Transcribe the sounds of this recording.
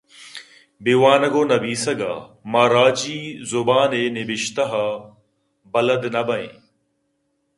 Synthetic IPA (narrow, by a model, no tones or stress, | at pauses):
bɪʋaːnɐɡoːnɐbʱiːsɐɡa̰ːmãːɾaːd͡ʒiːzʊbaːneːnɪbɪʃt̪ɐɦa | bɐləd̪nɐbɐḛ̃ː